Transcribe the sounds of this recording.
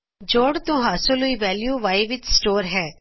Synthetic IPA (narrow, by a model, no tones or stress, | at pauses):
d͡ʒoːɽt̪õːɦaːsoluiːʋɛːljuːʋaːiʋɪt͡ʃsʈoːɾɦɛː